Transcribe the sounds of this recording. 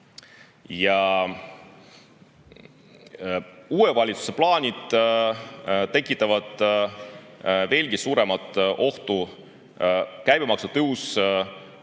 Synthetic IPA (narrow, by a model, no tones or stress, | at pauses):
jɑ | uːevɑlʲit̪su̥seplɑːnʲid̪̥ | t̪e̞kːˑit̪ːˑɑvɑd̪̥ | ve̞ːlɡ̥isuːɾe̞mɑt̪ːˑʔo̞ht̪u | kæjb̥emɑksut̪ɤws